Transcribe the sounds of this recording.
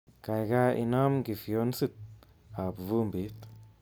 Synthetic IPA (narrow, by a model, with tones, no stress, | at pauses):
ka˨jɡa˦ʔḭ˨na˦mɡi˨fjo˦nsi˦t̪̚ | a˨bvu˦mbi˨˦t̪